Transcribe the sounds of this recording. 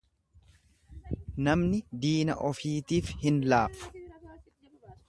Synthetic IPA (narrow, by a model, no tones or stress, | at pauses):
nɐmnɪd̪iːnɐ̰ʔɔfiːt̪iːfhɪnlaːfʊ̥